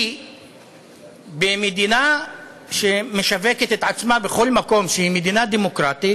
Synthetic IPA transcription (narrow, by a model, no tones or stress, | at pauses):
bemed̪ina | ʃemeʃave̞ket̪et̪ʕat͡smabeχo̞lmako̞mʃeimed̪inad̪emo̞kʁat̪it